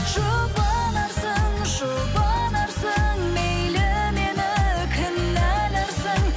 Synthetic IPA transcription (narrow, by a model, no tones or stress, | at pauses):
ʒobɑnɑɾsəŋʒʊbɑnɑɾsəŋmejlɪmenɪkʲʰɪnːælæɾsəŋ